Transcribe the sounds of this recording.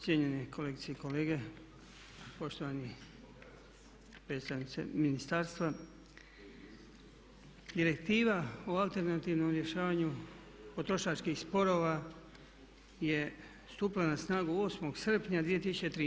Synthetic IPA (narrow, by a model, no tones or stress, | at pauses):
jeɲenekʰo̞leɡit̪seiko̞le̞ːɡe̞ | po̞ʃt̪o̞ʋani | pɾe̞ːt̪st̪aʋnit̪sḛminist̪aːɾst̪ʋa | d̪iɾe̞kt̪iːʋaoalˠt̪e̞ɾnat̪iːʋno̞mɾje̞ʃaːʋaɲu | po̞t̪ɾo̞ʃat͡ʃkixspo̞ɾo̞ːʋa | je̞ | st̪uplanasnaːɡuo̞ːsmo̞ɡsr̩pɲad̪ʋie̞t̪isut͡ʃet̪ɾiː